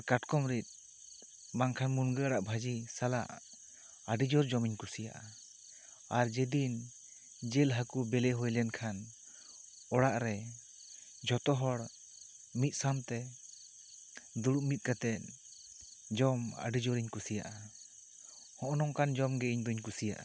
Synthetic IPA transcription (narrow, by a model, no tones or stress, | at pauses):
kaʈkɔmɾit̪̚ | maŋkʰanmunɡəaɽaʔbʱad͡ʒisala̰ʔ | aɖid͡ʒɔɾd͡ʒɔmiɲkusija̰ʔa | aɾd͡ʒɛd̪in | d͡ʒɛlɦakubɛlɛɦɔjlɛnkʰan | ɔɽaʔɾɛ | d͡ʒɔt̪ɔɦɔɽ | mit̪̚samt̪ɛ | d̪uɽuʔmit̪̚ˀkat̪ɛt̪̚ | d͡ʒɔma̰ɖid͡ʒɔɾiɲkusija̰ʔa | hɔ̃ʔɔnɔŋkand͡ʒɔmɡɛiɲd̪ɔiɲkusija̰ʔa̰